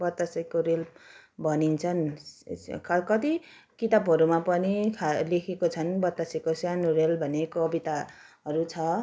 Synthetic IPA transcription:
bʌt̪ːasikoɾelbʱʌnint͡sʰʌn | kkʌt̪i | kit̪abɦʌɾumapʌnikʰalekʰekot͡sʰʌnbʌt̪ːasikosjanorelbʱʌnekʌbit̪a | ɦʌɾut͡sʰʌ

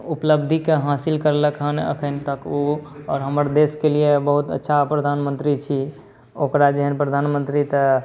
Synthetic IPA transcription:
upləb̚d̪ʱikeɦasilkəɾləkɦənə̰kʰənt̪əkoɔːɾɦəməɾd̪eskeliebəɦut̪ə̰tːʃʰapɾəd̪ʱanmənt̪ɾit͡ʃʰi | okɾad͡ʒəɦənpɾəd̪ʱanmə̃nt̪ɾit̪ə

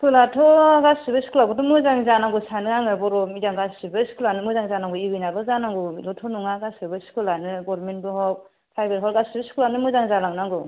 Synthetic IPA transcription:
kʰɯlatʰɔɡasibɯskulaɡɔdɔmɯzaŋzanaŋɡɔsanɯaŋɯbɔɾɔmijaŋɡasibɯskulanɯmɯzaŋzanaŋɡɔiwinalɔzanaŋɡɔilɔtʰɔnuŋaɡasɯbɯskulanɯɡɔɾmentbɯɦɔk̚ | pʰajbeɾɦɔlɡasibɯskʰulanɯmɯzaŋzalaŋnaŋɡɔ

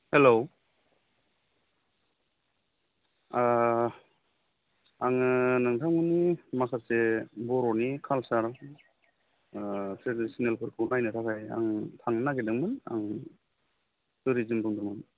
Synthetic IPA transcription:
helow | a | aŋnaŋtʰaŋunimakʰasebɔɾɔnikʰalsaɾ | sʰesinelpʰɯɾkʰɯnajnɯtʰakʰaja̰ŋtʰaŋnaɡedɯŋmɯna̰ŋ | tuɾizɯmdɔŋdɯŋmɯn

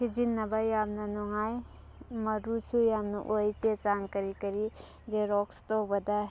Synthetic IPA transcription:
kʰid͡ʒinːɐbajamnɐnɔŋaj | mɐɾut͡ʃʰujamnṵʔojt͡ʃet͡ʃaŋkɐɾikɐɾi | zeɾɔkstɔbɐda

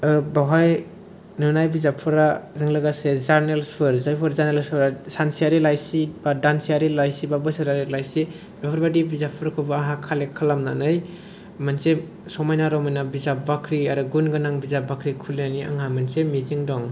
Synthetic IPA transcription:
baɦaj | nɯnajbizapʰɯɾaɾɯŋlaɡasezaɾnelspʰɯɾzajpʰɯɾzaɾnelspʰɯɾasansijaɾilajsibadansijaɾilajsibabɯsɯɾaɾilajsi | bapʰɯɾbadibizapʰɯɾkʰɯbaaɦakʰalekʰalamna̰nɯj | manse | sɔmajnaɾɔmajnabizap̚bakʰɾiaɾɯɡunɡɯnaŋbizap̚bakʰɾikʰuliania̰ŋamansemiziŋdɔŋ

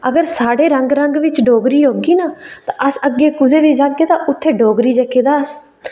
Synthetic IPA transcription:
əɡəɾsaːɽeːɾəŋɡɾəŋɡʋɪt͡ʃɖoːɡɾiːɦoːɡiːnaːt̪ã̰ːʔəsəɡeːkʊd̪eːʋiːd͡ʒaːɡeːd̪aːʔʊt̪ʰːeːɖoːɡɾiːd͡ʒəkeːd̪aːəs

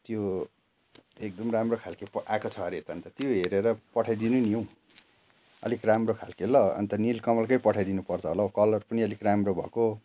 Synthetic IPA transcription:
t̪jo | ek̚d̪ʌmramrokʰalkepakot͡sʰʌʌɾit̪ʌʌnt̪ʌt̪joɦeɾeɾʌpʌʈʰajd̪inunijow̃ | ʌ̰likramrokʰalkelʌʌ̰nt̪ʌnilkʌmʌlkʌjpʌʈʰajd̪inupʌrt͡sʰʌɦolakʌlʌrpʌniʌlikramrobʱʌ̰ko

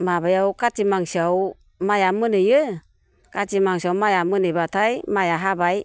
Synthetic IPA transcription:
mabajawkatimaŋsiaw | majamɯnɯjɯ | katimaŋsiawmajamɯnɯjbatʰajmajaɦabaj

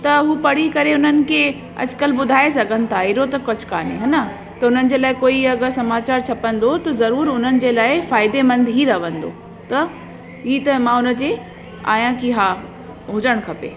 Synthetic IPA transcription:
t̪ɐɦuːpɐɽ̤ikɐɾeʊnənɪ̆kʰeː | ɐ̰d͡ʑkəlbʊd̪ʱaːesɐɡʱənɪ̆t̪ʰaɦiɾot̪ɐkʊd͡ʑʰkaːnḛɦɐna | t̪ɐʊn̤ənɪ̆d͡ʑeːlaːɪkoːiɐɡəɾsɐmaːt͡ɕaːɾt͡ɕʰɐpə̃nd̪ot̪ɐzɐɾuːɾʊn̤ənɪ̆d͡ʑeːlaːɪfaːɪd̪emɐ̃nd̪ʱɦiɾɐʋə̃nd̪o̰ | t̪ɐ | ɦiːt̪ɐmãʊnə̆d͡ʑeː | a̰ːjãkiɦaː | ɦʊd͡ʑəɽ̃kʰɐpḛː

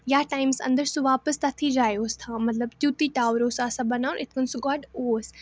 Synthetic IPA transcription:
jaːʈaːɪmsɐ̰̃nd̪əɾsuʋaːpəst̪ɐt̪ʰid͡ʒaːjoːst̪ʰãːmɐt̪ləbd͡ʒuːt̪iʈaːʋɾoːsaːsãbɐnaːʔɪt̪ʰkənsuɡaːʈoːs

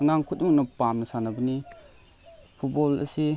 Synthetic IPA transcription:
ŋaŋkʰut̚uŋnɔpamnɐsanabəni | pʰut̚bɔlɐ̰si

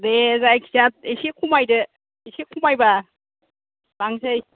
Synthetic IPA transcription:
dezajkʰisat̚esekʰumajdɯ | esekʰumajba | baŋsaj

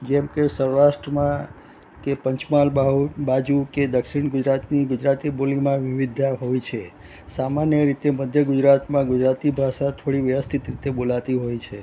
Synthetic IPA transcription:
d͡ʒɛmkesəɾɾaʃʈɾəmã | kepəɲt͡ʃmalɦbad͡ʒuked̪əkʃiɳɡʊd͡ʒɾat̪niɡʊd͡ʒɾat̪ibolimãʋɪʋid̪ʱaɦojt͡ʃʰe | samanjəɾit̪eməd̪ʱjəɡʊd͡ʒɾat̪mãɡʊd͡ʒɾat̪ibʱaʃat̪ʰoɽiʋjəʋəst̪ʰit̪ɾit̪ebolat̪iɦojt͡ʃʰe

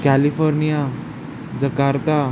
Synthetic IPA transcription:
kælifɔɾnija | d͡zəkaɾt̪a

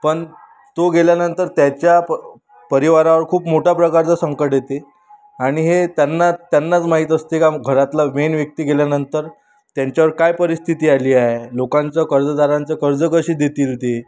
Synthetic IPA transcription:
pəɳ | t̪oɡeljanənt̪əɾt̪jat͡ɕja | pəɾiʋaɾaʋəɾkʰuːpmoʈʰapɾəkaɾt͡sasəŋkəʈjet̪e | aɽ̃iɦet̪janːat̪ːjanːat͡smaɦit̪əst̪eekaɡʱəɾat̪lamenʋjək̚t̪iːɡeljanənt̪əɾ | t̪jaɲt͡ɕjaʋəɾkajpəɾist̪ʰit̪iːaliːaɦelokãnt͡sakəɾd͡zəd̪aɾãnt͡sakəɾd͡zəkəɕiːd̪et̪iːlt̪e

